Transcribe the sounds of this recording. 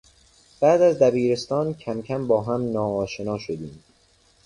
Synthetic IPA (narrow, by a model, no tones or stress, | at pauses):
b̥æːd̪æzd̪æbiːɾe̞st̪ɒːncʰæmcʰæmbɒːɦæmnɒːɒːʃe̞nɒːʃod̪iːm